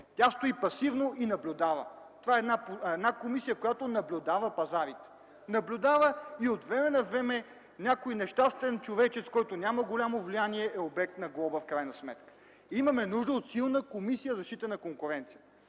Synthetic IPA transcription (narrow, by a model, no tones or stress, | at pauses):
t̪ʲast̪oipɐsivnoʔinɐblʲʊd̪avə̰ | t̪ovaɛd̪napɛd̪nakomisijəkojat̪onɐblʲʊd̪avəpɐzaɾit̪ɛ̥ | nɐblʲʊd̪avəiot̪vɾɛmɛnɐvɾɛmɛ | nʲakojnɛʃt̪ast̪vɛnt͡ʃovɛt͡ʃɛt̪skɔjt̪onʲaməɡolʲamovlijaniɛɛobɛk̚t̪nɐɡlˠɔbəfkɾajnɐsmɛ̰t̪kə̥ | imɐmɛnuʒd̪əot̪silˠnəkomisijəzɐʃt̪it̪ənɐkoŋkʊɾɛnt̪sijə